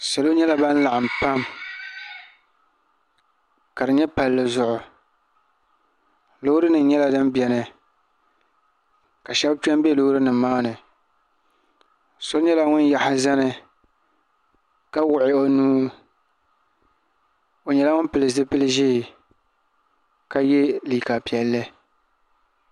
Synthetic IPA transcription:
sa˨lo˦ɲɛ˦la˨˦ba˦n̩˦la˨ʔa˨m˨pa˦m | ka˨ɾɨ˨ɲɛ˦pa˨lːɨ˨zʊ˨ʔʊ˨ | lʊ˦hɾɨ˦nɨ˨˦ɲɛ˦la˨dɨ˦mbjɛ˨nɨ˨ | ka˨ʃɛ˦bpɛ˦m˦bɛ˦lʊ˦hɾɨ˦nɨ˨˦maː˦nɨ˨ | so˦ɲɛ˦la˦ŋʊ˦nja˨hɪ˨za˦nɨ˨ | ka˦wʊ˨ʔɪ˦o˦nuː˦ | o˨ɲɛ˨la˦ŋʊ˦npɨ˨lɨ˨zɨ˦pɨ˦lɨ˦ʒi˦˨ | ka˦jɛ˦liː˨ka˨pi˨ɛ˨lːɨ˦

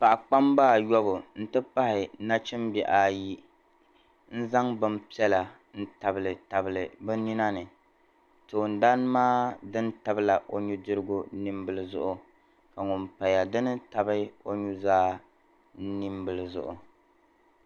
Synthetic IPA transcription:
pa˨ʔa˨k͡pa˦mbaː˦˨jɔ˦bʊ˨n̩˦tɨ˦pa˦hɪ˨na˦t͡ʃɛ˦mbɛ˨ʔa˨ji˦ | n̩˦za˦ŋbɨ˦mpi˦ɛ˦la˨ | n̩˦ta˨bɨ˨lɨ˨ta˨bɨ˨lɨ˨bɨ˦ni˦na˦nɨ˨ | tɨ˨o˨n˨da˦n˦maː˦dɨ˦nta˨bɨ˦la˨ʔo˦ɲu˦dɨ˦ɾɨ˦ɡʊ˦ni˦mbɨ˨lɨ˦zʊ̰˦ʔʊ˨ | ka˨ŋʊ˨mpa˨ja˨dɨ˦nɨ˦ta˨bɨ˦o˦ɲu˦zaː˦ | ni˦mbɨ˨lɨ˨zʊ̰˨ʔʊ̰˨

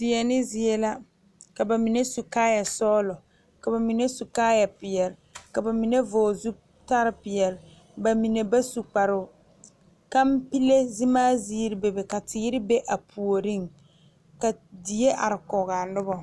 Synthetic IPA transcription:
tɪ˨ɛ˨nɪ˦zɪ˨e˦la˦ | ka˨ba˨mi˨ne˦su˨kaː˦ja˨sɔː˦lʊ˨ | ka˨ba˨mi˨ne˦su˨kaː˦ja˨pɪ˨ɛ˨ɾɪ˨ka˨ba˨mi˨ne˦voː˨zu˦ | ta˦ɾɪ˦pɪ˨jɛ˨ɾɪ˨ | ba˨mi˨ne˨ba˦su˨k͡pa˨ɾʊ˨ | ka˦m˦pi˦le˦zɪ˦maː˦ziː˦ɾɪ˦be˨be˨ka˨tʰɪ˨˦ɪ˦ɾɪ˦be˦ʔa˨pʰu˨o˨ɾi˦ŋ | ka˨di˨e˦ʔa˨ɾɪ˨kɔː˨ɣa˨nʊ˦bɔ˨

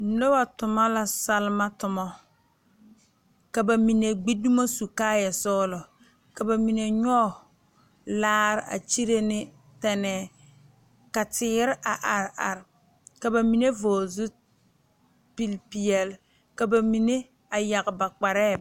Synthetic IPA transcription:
no˦ba˨tʊ˨ma˦la˦sa˦lma˦tʊ˨mɔ˦ | ka˨ba˨mi˨ne˨ɡ͡bi˦du˦ma˦su˨kaː˦ja˨sɔː˦lɔ˨ | ka˨ba˨mi˨ne˨ɲɔ˦˨ | laː˦ɾɪ˨ʔa̰˨t͡ʃi˦ɾe˦nɪ˦ | tɛ˨nɛː˨ | ka˨tɪː˨˦ɾɪ˦ʔa˨ʔa˨ɾa̰˨ɾ | ka˨ba˨mi˨ne˦voː˨zu˦ | pi˦lpi˨ɛ˨l | ka˨ba˨mi˨ne˦ | a˨ja˨ɣba˨k͡pa˨ɾɛː˦˨

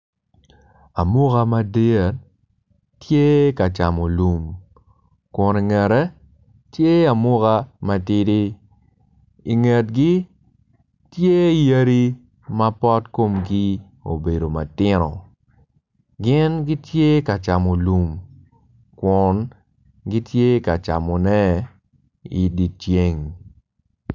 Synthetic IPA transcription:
a˨mu˦ka˦ma˦de˦a˨ | tje˦ka˨t͡ʃa˨mo˨lu˨m | kwɔ˨ni˨ŋɛ˨ɾɛ˦ | tje˦a˨mʊ˦ɣa˦ma˦ti˦di˦ | i˨ŋɛ˨t̚ɡi˦ | tje˦i˨ja˦ɾi˦ | ma˦pɔ˦tko˦mɡi˦ | o̰˨be˨do˨ma˨tɪ˦nɔ̰˨ | ɡɪ˦nɡi˦tje˦ka˨t͡ʃa˨mo˨lu˨m | kwɔ˨n | ɡi˦tje˦ka˨t͡ʃa̰˨mɔ˨nɛ˦ | i˨di˨t͡ʃje˦ŋ

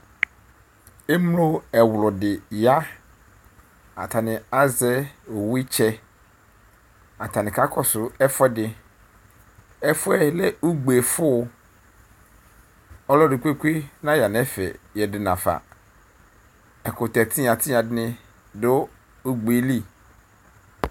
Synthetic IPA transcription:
e˦mlo˦ɛ˨wlɔ˨dɪ˨ja˦ | a̰˨tʰa˨nɪ̃˨a˨zɛ˦o˨wi˦t͡ʃʰɛ˦ | a˨tʰa˨nɪ̃˨kʰa˦kʰɔ˦sʊ˨ɛ˦fɛ˦dɪ˨ | ɛ˦fʊ˦ɛ˦lɛ˦u˦ɡ͡be˨fʊ˦˨˦ | ɔ˦lɔ˦dɪ˨kʷe˦kʷi˦nã˦ja˨nɛ˦fɛ̰˨jɛ˨dɪ˨nã̰˨fa̰˨ | ɛ˨kʊ˨tɛ˨tʰɪ̃˦a˨tʰɪ˦a˨dɪ˦nɪ̃˦ | dʊ˦ | o˦ɡ͡be˨li˦

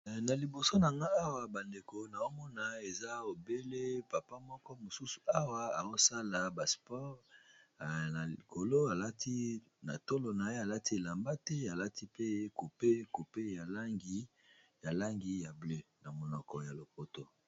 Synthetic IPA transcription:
na˨li˨bo˨so˦na˨ŋɡa˦a˦wa˨ba˨nde˨ko˨na˨o˦mɔ˦na˨e˨za˦o˨be˦le˦pa˨pa˦mɔ˦kɔ˦mo˨su˦su̥˨a˦wa˦a˨o˦sa˦la˨ba˨spɔ˦ʁ | a˨i˨kʰo˨lo˦a˨la˦ti˦ | na̰˨to˦lo˨na˨e˦a˨la˦ti˦e˨la˨mba˦tɛ˦a˨la˦ti˦pe˦ku˨pe˦ku˨pe˦ja˨la˦ŋɡi˦ | ja˨la˦ŋɡi˨ja˨ble˦na˨mo˨nɔ˨kɔ˨ja˨lo˨po˦to˨

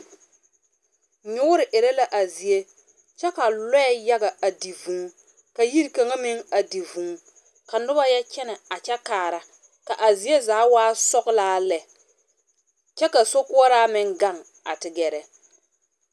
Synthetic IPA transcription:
ɲʊ˦ʊ˦ɾɪ˨ʔɪ˨ɾɛ˦la˨ʔa˨zi˨je˦ | t͡ʃɛ˦ka˨lɛ˦ɛ˦ja˦ɡa˨a˨di˨vũ˨˦ | ka˨ji˦ɾka˨ŋa˦mɪ˦ŋa˨di˨vũ˨ŋ˦ | ka˨nʊ˦ba˦jɛ˦t͡ʃɛ˦nɛ˨a˨t͡ʃɛ˦kaː˨ɾa˨ | ka˨ʔa˨zi˨e˦zaː˨˦waː˦sɔ˦ɡlaː˦lɛ˨ | t͡ʃɛ˦ka˨so˦kʊ˦ɔ˦ɾaː˦mɪ˦ŋɡa˦˨ŋ | a̰˨tɪ˨ɡɛ˨ɾɛ˨

